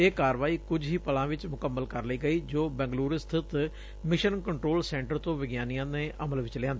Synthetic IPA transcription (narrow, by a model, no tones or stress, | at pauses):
eːkaːɾʋaːiːkʊd͡ʒɦiːpəlãːʋɪt͡ʃmʊkəmːəlkəɾləiːɡəiːd͡ʒoːbɛ̃ːŋɡluːɾst̪ʰɪt̪ | mɪʃənkəɳʈɾoːlsɛ̃ːɳʈəɾt̪õːʋɪɡjaːnijãːnẽːʔəməlʋɪt͡ʃlɪjãːnd̪ː